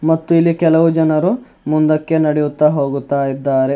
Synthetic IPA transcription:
mɐt̪ːuilːikɛlɐʋud͡ʒɐnɐɾu | mund̪ɐkːe̞nɐɽejut̪ːaːɦo̞ːɡut̪ːaːjid̪ːaːɾe̞

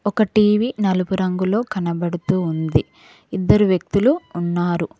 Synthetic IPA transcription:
ɔkɐʈiːʋiːnɐlubuɾɐŋɡulo̞ːkɐnɐbɐɽut̪uːnd̪i | id̪ːɐɾuʋjɐk̚t̪uluːnːaːɾu

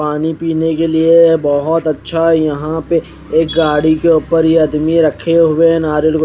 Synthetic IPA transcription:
aːnipiːnekeliebɐɦɔt̪ɐtːʃʰaɦɛjɐɦãpe | eːk̚ɡaːɽikeuːpəɾjeɐd̪miɾɐkʰeɦʊeɛ̃naːɾəlko

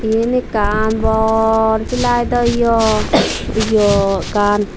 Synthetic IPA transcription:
inekanbɔɾkilajd̪ɔijɔ | ijɔkan

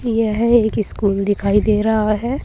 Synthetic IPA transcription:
jeɦɛeːkɪskuːld̪ɪkʰaːid̪eːɾaɦaɦɛː

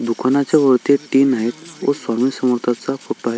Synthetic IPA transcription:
d̪ukʰanat͡ɕaʋəɾt̪eʈinaɦet̪o̰swamisəməɾt̪ʰat͡safoʈːoaɦe

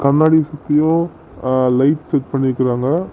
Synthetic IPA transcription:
kɐɾnːaːɽisɐt̪ːɪjʊ̃ | lɐɪʈsɛʈpɐɳːɪɾɯkːɪɾaːŋɡɐ

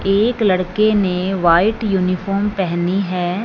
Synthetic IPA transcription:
eːklɐɽkeneʋaːɪʈjuːnɪfʰɔːɾmpɛɦniɦɛː

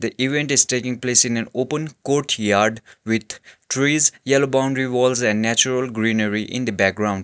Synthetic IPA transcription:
d̪əʔiʋẽɳʈɪzʈeːkɪ̃ŋpleːsɪ̃nɛ̃noːpə̃nkoːɾʈjaːɾɖʋɪd̪ʈʰɾiːzjɛlobãʊ̃ɳɖɾiʋɔːlzɛ̃nɖːæt͡ʃuɾəlɡɾĩːnəɾiʔɪ̰̃nd̪əbæk̚ɡɾãʊ̃ɳɖ

